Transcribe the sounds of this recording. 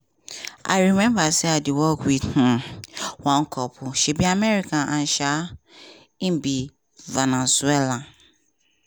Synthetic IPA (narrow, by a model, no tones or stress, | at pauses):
a̰ɪɹimɛ̃mbasɛadiwɔkwidnũwãŋ̩kʰɔpʰʊʃɛbiamɛɾikãnʔãn̩ʃa | ĩmbi | vanɛsuelã